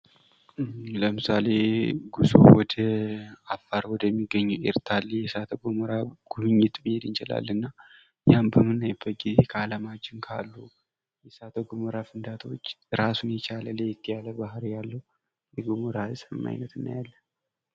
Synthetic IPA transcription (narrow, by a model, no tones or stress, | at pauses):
ləmɨsale̞ɡuso̰wɔd̪əafːaɾwɔd̪əmːiɡːəɲːuḛɾt̪ʰalːjɛsat̪ʰəɡməɾaɡ̥uβɨɲːɪt̪bihed̪ɨnt͡ʃɪla̰lːɨnːa | jambəmɨnːajɪbːət̪̚ɡizekʰəaləmad͡ʒɪŋkʰa̰lːu | jɛsat̪ʰəɡoməɾafɨnd̪at̪ʰo̞t͡ʃːɨɾasunjɛt͡ʃʰaləlejɛt̪ʰːəjaləbahɾijalːə | jɛɡomoɾasʼəmːa̰jnət̪ɨn̰ːjalːən